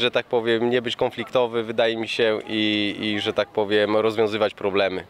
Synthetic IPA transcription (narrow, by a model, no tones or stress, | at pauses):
ʐɛt̪ak̚pɔvʲjɛmɲɛbɘt͡ɕkɔnflʲikt̪ɔvɘvɘd̪ajɛmʲiɕɛʔiiʐɛt̪ak̚pɔvʲjɛmɾɔzvʲjɔ̃w̃zɘvat͡ɕpɾɔblɛmɘ